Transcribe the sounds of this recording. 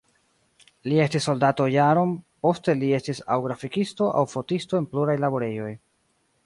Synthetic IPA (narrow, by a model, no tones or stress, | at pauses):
lie̞stisːo̞ldato̞jaɾo̞npo̞ste̞lie̞stisa̰wɡɾafikisto̞ʔa̰wfo̞tistoe̞npluɾajlabo̞ɾe̞jo̞j